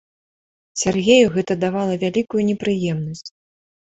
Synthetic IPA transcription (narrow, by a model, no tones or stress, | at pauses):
sʲarɣʲejuɣɛt̪ɐd̪avalˠɐvʲalʲikujunʲɛpɾɨjɛmnɐsʲt͡sʲ